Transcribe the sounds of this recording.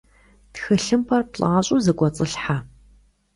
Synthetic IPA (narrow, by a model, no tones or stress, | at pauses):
txɨɬɨmpʰɐrpɬʼaːɕʼuzɨɡʷʼɔt͡sʼɨɬħa